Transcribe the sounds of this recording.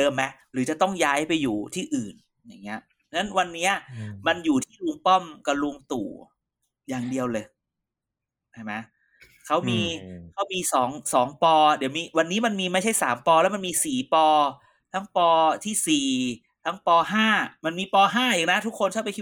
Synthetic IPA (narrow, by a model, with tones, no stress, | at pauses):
dɤː˧mːɛ˦˥ʔ | ɾɯː˩˦t͡ɕa˨˩t̪ɔ˥˩ŋjaː˦˥jpa˧jːuː˨˩t̪ʰiː˥˩ʔɯː˨˩n | ja˨˩ŋːi˦˥ɐ˧ | na˦˥nwa˧nːiː˦˥ɐ˩ma˧njuː˨˩t̪ʰiː˥˩lu˧ŋpɔ˥˩mka˧˩luː˧ŋt̪ṵː˨˩ | jaː˨˩ŋdi˧əwlɤː˧j | a˥˩jma˦˥ | kʰa˦˥wmiː˧kʰa˦˥wmiː˧sɔː˩˦ŋsɔː˩˦ŋpɔː˧di˩˦wmiː˧wa˧nːiː˦˥ma˧nmiː˧ma˥˩jt͡ɕʰa˥˩jsaː˩˦mpɔː˧lɛ˦˥wma˧nmiː˧siː˨˩pɔː˧ | t̪ʰa˦˥ŋpɔː˧t̪ʰiː˥˩siː˨˩ | t̪ʰa˦˥ŋpɔː˧ɦaː˥˩ma˧nmiː˧pɔː˧ɦaː˥˩jaː˨˩ŋna˦˥t̪ʰu˦˥kʰːo˧nkʰa˥˩pa˧jʰkʰi˥˩